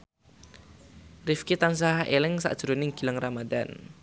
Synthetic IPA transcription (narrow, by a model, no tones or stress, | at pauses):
rifkit̪ans̬aɦaʔelɪŋsa̰ʔd̥ʒ̥ɾonɪŋɡ̥iləŋramad̪an